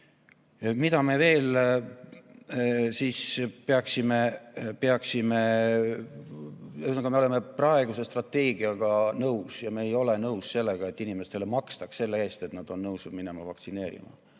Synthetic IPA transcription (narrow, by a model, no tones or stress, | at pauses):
mid̪ɑme̞ve̞ːl | siːspeɑksime̞peɑksime̞ | esnkɑmeole̞me̞prɑe̞ɡuse̞st̪rɑt̪ːe̞ːɡ̥iɑɡ̥ɑnɤwsjɑmeːjo̞le̞nɤwsse̞lːe̞ɡ̥ɑe̞t̪ːinime̞st̪e̞le̞mɑkst̪ɑksse̞lːe̞e̞ːst̪e̞t̪nɑd̪̥o̞nnɤwsud̪mine̞mɑvɑ̰kt̪sine̞ːɾḭmɑ̰